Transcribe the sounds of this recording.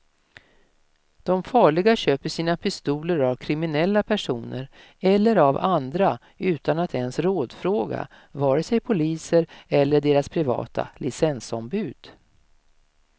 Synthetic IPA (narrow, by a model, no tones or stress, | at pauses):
d̪̥ɔmfɑːɭɪɡaɕøːpəʂiːnapʰɪst̪uːləɾavkʰɾɪmɪnɛlːapʰæʂuːnə̰ɾ | ɛlːəɾavand̪ɾa | ʉ̟ːt̪anat̪ʰɛnsɾoːd̪fɾoːɡa̰ | vɑːɾəsɛjpʰʊliːsəɾɛlːəɖeːɾaspʰɾɪvɑ̰ːt̪ʰa̰lɪsɛnsɔmbʉ̟ːd̪̥